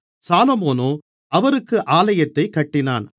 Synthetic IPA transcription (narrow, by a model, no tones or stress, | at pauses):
saːlomoːnoː | ɐʋɐɾɯkːɯʔaːlɐjɐt̪ːɐɪkːɐʈːɪna̰ːn